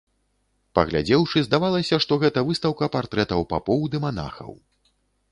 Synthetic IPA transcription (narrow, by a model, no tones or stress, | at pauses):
pɐ̰ɣlʲa̰d͡zʲɛwʂɨzd̪avalˠɐsʲɐʂt̪ɔɣɛt̪ɐvɨst̪ɐwkɐpart̪ɾɛt̪ɐwpa̰pɔwd̪ɨmana̰xɐ̰w